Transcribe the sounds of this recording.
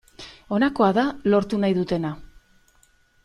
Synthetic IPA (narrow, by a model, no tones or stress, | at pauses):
o̞nako̞aðalo̞ɾt̪unajðut̪e̞na